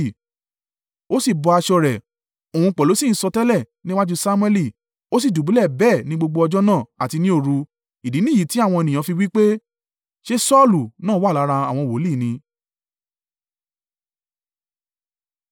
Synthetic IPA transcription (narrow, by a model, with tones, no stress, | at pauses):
o˦si˦˨bɔ˧a˧ʃɔ˧ɾɛ˨ | o˨ũ˧k͡pɔ˨lo˨˦sĩ˦˨n̩˦sɔ˧tɛ˦lɛ˦˨ | nĩ˦wã˦d͡ʒu˧sa˧mũ˧˦ɛ˦li˦˨ | o˦s̬i˦˨du˨bu˨˦lɛ˦˨bɛː˦˨nĩ˦ɡ͡bo˧ɡ͡bo˧ɔ˧d͡ʒɔ˦nãː˦˨a˨ti˧nĩ˦o˦˨ɾu˧ | i˨di˨˦nĩ˦˨i˨˦ti˨˦a˦˨w̃ɔ̃˧e˧nĩ˨ã˨˧fi˧wi˦k͡pe˦ | ʃe˦sɔ˦˨lu˨nãː˦wa˦˨la˨˦ɾa˧a˨w̃ɔ̃˧˨wo˨˦liː˦˨nĩ˧